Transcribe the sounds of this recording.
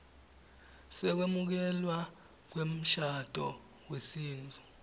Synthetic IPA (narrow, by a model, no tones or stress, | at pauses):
sɛk̬wemuk̬ɛlwa | k̬wem̩ʃad̥ʱɔ | wesiːnd͡zʰʱʼu